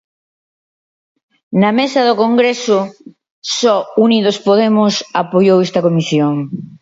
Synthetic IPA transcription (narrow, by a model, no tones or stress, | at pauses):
nɐmesɐðokoŋɡɾesʊ | sɔuniðospoðemʊsapojowest̪ɐkomisjoŋ